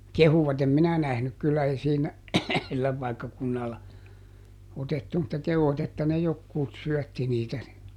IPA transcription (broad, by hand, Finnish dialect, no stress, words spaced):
kehuʋɑt em minæ næhnyk kylːæ ei siːnæ silːæ pɑikːɑkunːɑlːɑ otetːu mutːɑ kehuʋ̆ɑt etːæ ne jokːuːt syœˑtːi niːtæ ni